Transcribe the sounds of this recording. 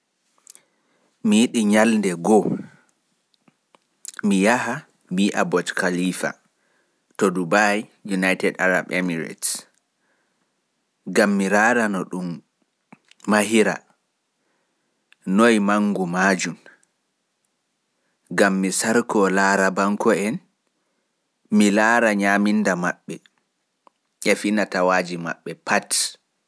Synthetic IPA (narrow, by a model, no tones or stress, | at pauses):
mijiɗiɲalndɛɡɔ | mijaɦa | miʔabɔtkʰaliːfa̰ | tɔdubajjunajtɛdaɾa̰bɛmiɾa̰ts | ɡamːiɾaɾanɔɗum | ahiɾa̰ | nojmaŋɡumad͡ʒum | ɡamːisaɾkɔlaːɾabaŋkɔɛn | milaːɾaɲamindama̰ɓːɛ | ʔɛfinatawad͡ʒima̰ɓːɛpat